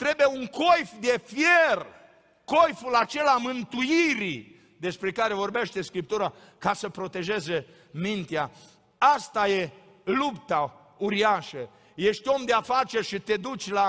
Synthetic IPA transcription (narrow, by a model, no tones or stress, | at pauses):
t̪ɾe̞bejeuŋkʰo̞jfd̪e̞fjer | ko̞jfulat͡ʃe̞lamɨnt̪uiɾi | d̪e̞spɾe̞kaɾe̞vo̞rbeʃt̪e̞skɾip̚t̪uɾa | kasəpɾo̞t̪e̞ʒe̞ze | mint̪ea | ast̪aje̞ | lupt̪a | uɾiaʃə | je̞ʃt̪ʲo̞md̪eafat͡ʃerʲʃit̪e̞d̪ut͡ʃʲla